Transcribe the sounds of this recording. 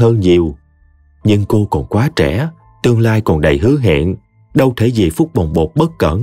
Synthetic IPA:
ɦəː˧nɲi˨˩əw | ɲɨ˧ŋko˧kɔ˨˩nkwaː˨˦t͡ɕɛ̰˧˩˥ | t̪ɨ˧əŋlaː˧jkɔ˨˩nɗə˨˩jɦɨ˨˦əŋɦḛ˧˨ən | ɗə˧wt̪ʰe˧˩zi˨˩fʊ˦˥k͡p̚ɓə˨˩wŋ͡mɓo˨˩k͡p̚ɓə˦˥t̚kə˧˩n

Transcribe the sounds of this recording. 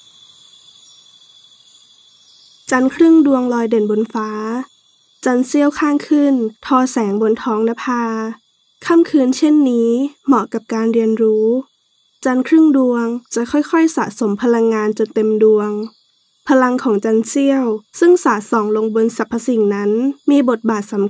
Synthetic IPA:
t͡ɕa˧˥nkʰɾɯ˥˨ŋdu˧əŋlɔː˧jde˨˩˦nbo˧nfaː˦˥ | t͡ɕa˧nsi˥˩əwkʰaː˥˩ŋkʰɯ˧˥˨nt̪ʰɔː˧sɛː˩˦ŋbo˧nt̪ʰɔː˦˥ŋla˦˥pʰaː˧ | kʰa˧˥˨mkʰɯː˧nt͡ɕʰe˥˩˨nːiː˦˥mɔ˧˩ka˨˩p̚kaː˧nɾi˧ənɾuː˦˥ | t͡ɕa˧˥nkʰɾɯ˥˨ŋdu˧əŋt͡ɕa˨˧˩kʰɔ˥˨jkʰɔ˥˩jsa̰ː˨˩˦so˩˦mpʰa˧la˧ŋːaː˧nt͡ɕo˧nt̪e˧mdu˧əŋ | pʰa˧la˧ŋkʰɔː˨˩˦ŋt͡ɕa˧nsi˥˩əwsɯ˥˩ŋsaː˩˦sɔː˨˩˦ŋlo˧ŋbo˧nsa˨˧˦pʰːa˧si˨˩ŋna˦˥nmiː˧bo˨˩t̪̚baː˨˩t̪̚sa˩˦m

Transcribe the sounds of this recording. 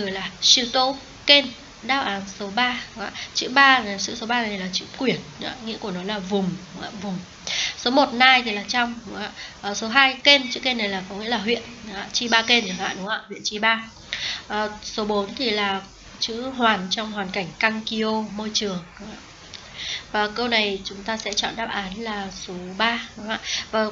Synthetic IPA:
ɨ˧˩˨jlaː˨˩si˧t̪o˧˦ | ke˧n | ɗaː˧wʔaː˨˦nso˨˦ɓaː˧˨˦ŋa̰ː˧˨t͡ɕɨ̰˧˥ɓaː˧˨sɨ̰˧˥so˨˦ɓaː˧t̪ʰlaː˨˩t͡ɕɨ̰˧˥kwi˧˩ən˧a̰˧ŋḭ˧˥əku˧˩ənɔ˨˦laː˨˩vʊ˨˩ŋ͡ma̰ː˧˨vʊ˨˩ŋ͡m | so˨˦mo˨˩t̚naː˧jt̪ʰi˨˩laː˨˩t͡ɕɔ˧wŋ͡mɗa̰ː˧˨ʔəː˨˩so˨˦ɦaː˧jke˧nt͡ɕɨ̰˧˥ke˧nːa˨˩jlaː˨˩kɔ˨˦ŋḭ˧˥əlaː˨˩ɦwḭ˧˨ən˨˦a̰ː˧˨t͡ɕi˧ɓaː˧ke˧nzə˨˩ŋha̰ː˧˨ɗʊ˨˦ŋa̰ː˧˨hwḭ˧˨ənt͡ɕi˧ɓaː˧ | ʔəː˨˩so˨˦ɓo˨˦nt̪ʰi˨˩laː˨˩ | t͡ɕɨ̰˧˥ɦwaː˨˩nt͡ɕɔ˧wŋ͡mhwaː˨˩nka˧˩jŋ̟ka˧ŋki˧ʔo˧mo˧jt͡ɕɨ˨˩əŋɗʊ˨˦ŋ͡ma̰ː˧˨ | vaː˨˩kə˧wna˨˩jt͡ɕʊ˨˦ŋ͡mt̪aː˧sɛ̰˧˥t͡ɕɔ̰˧˨nɗaː˦˥p̚ʔaː˨˦nlaː˨˩so˨˦ɓaː˧ɗa̰ː˧˨vaː˨˩

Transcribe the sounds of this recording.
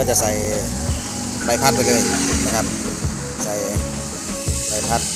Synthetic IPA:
ɔː˧˩t͡ɕa˧˨sa˨˧˩j | ba˧˩jpʰa˧˥p̚ləː˧˩kɤː˧˩˨na˧kʰa˦˥p̚ | sa˨˩j | ba˨˩jpʰa˦˧˥k̚

